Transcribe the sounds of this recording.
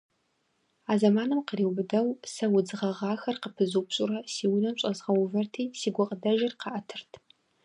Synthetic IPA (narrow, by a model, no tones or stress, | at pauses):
aːzɐmaːnɨmqəriwbɨdɐwsɐwʊd͡zɨʁɐʁɑːxɐrqəpʰɨzupɕʼʊrɐsiːwinɐmɕʼɐzʁɐwvɐrtʰiːsiːɡʷɔqʼədɐʒɪrqɑʔɐtʰɨrtʰ